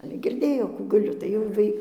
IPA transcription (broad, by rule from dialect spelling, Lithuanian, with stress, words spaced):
ˈɑːlʲɛ ɡʲɪrʲˈdʲeːjoː ˈkuː ɡɐˈlʲʊ tɐɪ jɛʊ ˈʋɐɪ